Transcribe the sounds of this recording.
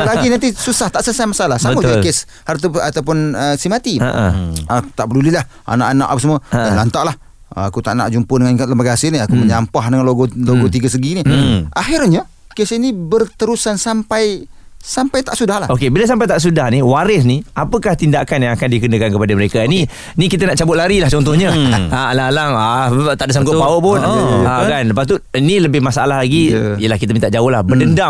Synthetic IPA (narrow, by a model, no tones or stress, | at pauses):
laɡinant̪isusaht̪aʔsəsajmasalahsaəmad͡ʒakes | hart̪aat̪awp̬ʊnəsimat̪iəʔəat̪aʔbərdulilah | a̰naʔana̰ʔa̰pəsəmuaalant̪aʔlah | akut̪aʔna̰ʔ̚d͡ʒumpədəŋankat̪̚ləmbaɡasɪniakuməɲampahdəŋanloɡɔloɡɔt̪iɡas̬əɡiniʔaɦɪrɲa | kesinibərt̪əɾusansampaj | sampajt̪aʔsudahlahokebilas̬ampajt̪aʔs̬udahniwaɾɪs̬niapəkaht̪indakanjaŋakandikənəkankəpadəməɾekani | nikit̪̬ənaʔt͡ʃabʊt̪̚laɾilaht͡ʃɔnt̪ɔhɲəaalaalaŋat̪aʔdəsaŋɡʊpaopʊnakanləpast̪u | iniləbɪhmasaalahlaɡi | ijəlahkit̪əmint̪aʔd͡ʒaʊhlahbədənda